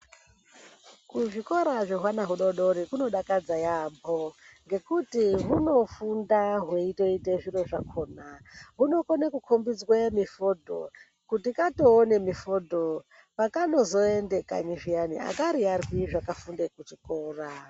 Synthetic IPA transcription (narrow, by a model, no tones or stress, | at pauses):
kuʐiko̞ɾaʐoɦwanaɦuɗo̞ɗo̞ɾikuno̞ɗakad͡zajamboŋɡe̞kutiɦuno̞fundaɦweito̞ite̞ʐiro̞ʐakʰo̞ːnaɦuno̞konekukʰombid͡zwemifodʱo̰ | kutikato̞ːne̞mifodʱo | pakano̞zo̞ende̞ka̰ɲiʐijanḭa̰kaɾiarwiʐakafundekuʐikoːra